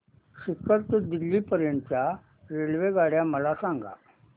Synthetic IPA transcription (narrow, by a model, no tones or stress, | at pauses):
ɕikːəɾt̪ed̪ilːiːpəɾjəɳt͡ɕja | ɾeɭʋeɡaɽ̤jaməlasãŋɡa̰